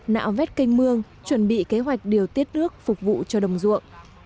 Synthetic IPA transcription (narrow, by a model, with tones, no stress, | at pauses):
na̰ː˧˨wvɛ˦˥t̚ka˧jŋ̟mɨ˧əŋ | t͡ɕwə˨˩nɓḭ˧˨ke˨˦ɦwa˨˩jk̟̚ɗi˨˩əwt̪i˦˥ət̚nɨ˦˥ək̚fʊ˨˩k͡p̚vṵ˧˨t͡ɕɔ˧ɗə˨˩wŋ͡mzṵ˧˨əŋʔ